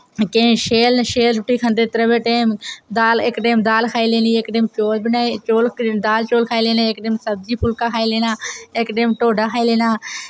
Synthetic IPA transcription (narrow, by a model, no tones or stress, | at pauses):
kẽːʃeːlʃeːlɾʊʈːiːkʰənd̪eːt̪əɾəbeːʈeːmd̪aːlɪkʈeːmd̪aːlkʰaːiːleːniːɪkɖeːmt͡ʃoːlbɪnaːt͡ʃoːld̪aːlt͡ʃoːlkʰaːiːleːnẽːɪkɖeːmsəb̚d͡ʒiːpʰʊlkaːkʰaːiːleːnaːɪkɖeːmʈoːɖaːkʰaːiːleːnaː